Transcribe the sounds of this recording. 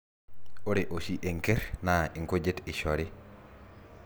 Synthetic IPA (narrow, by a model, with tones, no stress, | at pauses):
o˦ɾe˨ʔo˨ʃi˦ʔe˨ŋke˦ɾna˨ʔi˨ŋko˦d͡ʒe˦ti˨ʃɔɾi˦